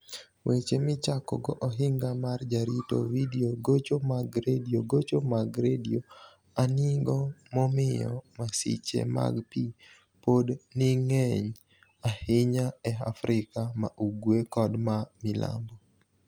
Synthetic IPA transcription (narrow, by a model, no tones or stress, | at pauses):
wʔet͡ʃemɪt͡ʃakɔ̰ɡɔʔɔɦɪŋɡamard͡ʒaɾito̰widioɡot͡ʃomaɡɾedioɡot͡ʃomaɡɾedio | anɪɡɔmɔmɪjɔ̰masḭt͡ʃḛma̰ɡpi | podniŋɛɲ | ahɪɲaɛafɾʔɪkamaʔuɡwekɔdmamɪla̰mbɔ